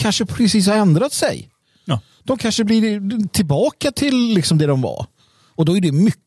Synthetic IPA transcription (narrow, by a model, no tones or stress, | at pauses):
kʰanʂəpʰɾɛsiːs̬haɾɛnd̪ɾat̪sɛ̰j | d̪̥ɔmkʰanʂəbliɾt̪ʰɪlbɑːkat̪ʰɪlːɪksɔmd̪ɛd̪ɔmva̰ɾ | ɔd̪ɔæɖɛmʏkː